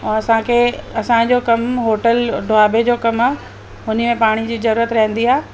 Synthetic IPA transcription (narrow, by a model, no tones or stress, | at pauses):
ɐsãkʰeːɐsãd͡ʑoːkɐmɦoːʈəlɖʱoaːbed͡ʑoːkɐmaː | ɦʊnimẽpaːɽ̃id͡ʑiːzɐɾuːɾət̪ɾɐɦə̃nd̪iaː